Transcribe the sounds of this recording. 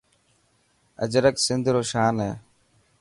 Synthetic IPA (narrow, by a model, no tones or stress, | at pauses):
ə̰d͡ʒɾəksɪnd̪ʱɾoːʃaːnɦeː